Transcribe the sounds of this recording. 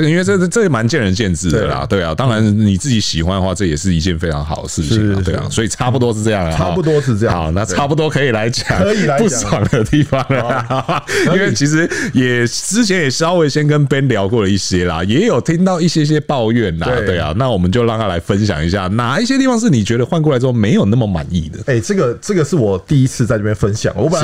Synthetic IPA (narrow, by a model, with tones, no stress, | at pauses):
i˥nwe˥˧ʈ͡ʂɤ˥˩˥ʈ͡ʂɤ˥˧˩ma˧˦nt͡ɕjɛ˥˩nɻə˧˦nt͡ɕjɛ˥˧nt͡sɻ̩˥˩d̪ə̰˩lɐ̰˨˩t̪we˥˩ɪa˨˩t̪ɑ˥˦ŋɻa˧˦nni˨˩t͡sɹ̩˥˩t͡ɕi˧˥ɕi˨˩xwa˦nd̪ə˨˦xwa˥˩ʈ͡ʂɤ˥˩jɛ˨˩ʂ̬ɻ̩˥˩i˧˥t͡ɕjɛ˥˧˩nfe˥ɪʈ͡ʂʰɑ˧˥ŋxɑ˨˩ʊd̪ə̰˩ʂɻ̩˥˩t͡ɕʰḭ˨ɐ̰˨we˧˩j̰ŋswɔ˧˥i˨˩ʈ͡ʂʰa˥˧pu˨t̪wɔ˥ʂ̬̩˥˧ʈ͡ʂɤ˥˧jɑ˥˩ŋ˨˥˧t̪wɔ˥˧a˨˦ʊna˥˧ʈ͡ʂa˥˩pu˨˩t̪wɔ˥kʰɤ˧˥i˨˩la˧˥ɪt͡ɕjɑ˨˦ŋ˧˨˧pu˥˩sa˨˩ŋd̪ə˦t̪i˥˧fɑ˨˦ŋ˨ | i˥nwe˥˩ɪt͡ɕʰi˧˥ʂ̬ɻ̩˧˦jɛ˨˩t͡sɻ̩˥t͡ɕʰjɛ˧˦njɛ˨˩ʂɑ˥ʊwe˧˥ɪɕjɛ˦˥nk̬ə˦˥npɛ˦nljɑ˧˥ʊkwɔ˥˩lə˩i˥˩ɕjɛ˦˥lɐ̰˨jɛ˧˥jo˨˩ʊt̪ʰi˥ŋt̪ɑ˥˧ʊi˥˩ɕjɛ˥iɕ̬jɛ˥pɑ˥˧ʊɥɛ˥˩nla̰˨˥t̪we˥˩ɪa̰˩na˥˩wɔ˨˩mə˨˦nt͡ɕjo˥˧ʊlɑ˥˧ŋt̪a˥la̰˧˥ɪfə˦nɕ̬jɑ̰˨˩ŋi˧˥ɕ̬ja̰˥˩na˨˩i˥˩ɕjɛ˥t̪i˥˩fɑ˧ŋʂ̬ɻ̩˥˩ni˨˩t͡ɕɥɛ˧˥d̪ə˧xwa˥˧nkɔ˥˩la˧ɪt͡s̬ɻ̩˥xo˥˩me˧˥ɪjo˨˩ʊna˥˩mə˨˩ma̰˨˩nḭ˥˩d̪ə̰˩e˥˩ʈ͡ʂɤ˥˩ɡə˩ʈ͡ʂɤ˥˩ɡə˩ʂɻ̩˥˩wɔ˨˩t̪i˥˩i˦˥t͡sʰɹ̩˥˧t͡sa˥˧ɪʈ͡ʂɤ˥˩jɛ˥nfə˦nɕjɑ̰˨˩ŋə˨w